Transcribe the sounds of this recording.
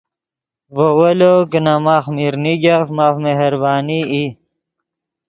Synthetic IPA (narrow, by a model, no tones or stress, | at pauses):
ʋowɐlokənamaxmiɾniɡafmafmeɦəɾbaːnii